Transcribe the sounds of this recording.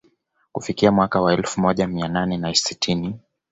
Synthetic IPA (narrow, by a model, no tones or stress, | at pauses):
kufikiamwakawaɛlfumɔʄamiananɛnasitʰini